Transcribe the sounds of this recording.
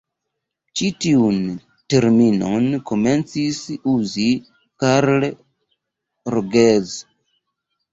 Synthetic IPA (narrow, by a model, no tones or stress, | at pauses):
t͡ʃitiun | teɾmino̞nko̞me̞nt͡sisuzi | kaɾl | ɾoɡez